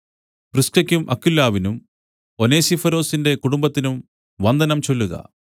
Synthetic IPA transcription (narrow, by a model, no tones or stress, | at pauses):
prɨskɐkʲːumʔɐkːilːaːʋinum | oneːsifɐɾo̞ːsinde̞kuɽumbɐt̪ːinum | ʋɐnd̪ɐnɐmt͡ɕo̞lːuɣɐ̰